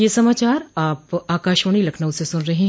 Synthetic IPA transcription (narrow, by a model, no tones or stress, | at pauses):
jesɐmaːt͡ʃaːɾaːpaːkaːʃʋəɽ̃ilɐkʰnəwsesʊnɾɐɦẽɦ